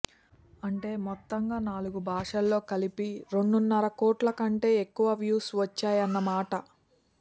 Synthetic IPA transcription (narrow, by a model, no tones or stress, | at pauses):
ɐɳʈe̞ːmɔt̪ːɐŋɡaːnaːluɡubʱaːʂɐlːo̞ːkɐlipiɾe̞ɳɖunːɐɾɐkoːʈlɐkɐɳʈe̞ːekːuʋɐʋjuːsʋɐt͡ʃːaːjɐnːɐmaːʈɐ